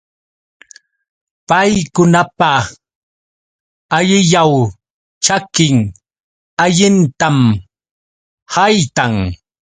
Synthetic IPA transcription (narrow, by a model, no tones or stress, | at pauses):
pajjkʊnapa | ʎɪʎaw | t͡ʃakɪŋ | aʎɪnt̪am | hajt̪aŋ